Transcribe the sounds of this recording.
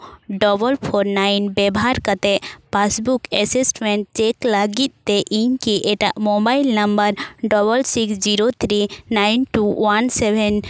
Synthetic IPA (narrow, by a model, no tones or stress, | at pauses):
ɖɔbəlpʰoɾnainbɛbɦaɾkət̪epʰasbukɛsisʈmẽɳʈ̚t͡ʃeklaɡit̪̚ˀːeʔiɲkiʔeʈaʔmobailnəmbəɾɖɔbəlsiksd͡ʒiɾot̪ʰɾinajnʈuwansebʱɛn